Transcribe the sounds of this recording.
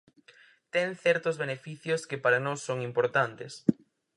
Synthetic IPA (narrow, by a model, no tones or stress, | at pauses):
t̪ɛŋθɛɾt̪ʊzβenefiθjoskepaɾanosːoŋimpoɾt̪ant̪es